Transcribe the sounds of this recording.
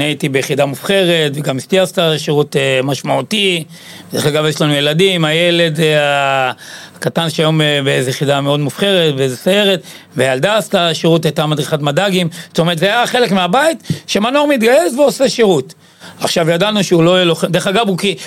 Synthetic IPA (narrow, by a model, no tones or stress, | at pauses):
niaitibejeχidamufχe̞ʁe̞tveɡamist̪iastaʃiʁutemaʃmaut̪i | d̪eχaɡavjeʃlanujeladimajele̞d̪a | katanʃeajombeezejeχidameo̞d̪mufχe̞ʁetbeezesajeʁetveald̪astaʃiʁutajt̪amad̪ʁiχatmadaɡimze̥t̪omeʁt̪zeajaχe̞le̞kmeabait̪ʃemanoʁmit̪ɡajesveoseʃiʁut | aχʃavjadanuʃeulo̞jeloχede̞aɡabuki